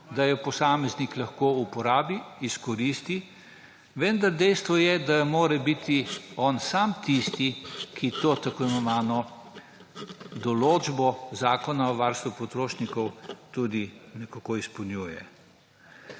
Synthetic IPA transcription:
d̪ajɔpɔsaːmɛzniklɐxkoːupɔɾaːbiːskɔɾist̪i | ʋɛnd̪aɾd̪ɛjst̪ʋɔjɛd̪amoːɾɛbit̪iɔnsaːmt̪ist̪ikʰit̪ot̪akɔjnɔʋaːnɔ | d̪ɔloːd͡ʒbɔzaːkɔnaɔʋaɾst̪ʋupɔt̪ɾoːʃnikɔwt̪ud̪inɛkakoispɔwnjuːjɛ̰

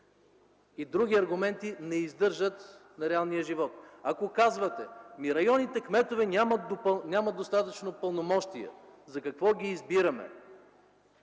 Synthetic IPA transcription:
id̪ɾuɡʲiɐɾɡʊmɛnt̪inɛizd̪ɤɾʒət̪nɐɾɛalˠnijəʒivɔt̪ɐkokazvɐt̪ɛ̰miɾɐjɔnit̪ɛkmɛt̪ovɛnʲamɐt̪nʲaməd̪̚ost̪at̪ət͡ʃnopəlˠnomɔʃt̪iɛ̰zɐkɐkvɔɡʲiːzbiɾɐmɛ̰

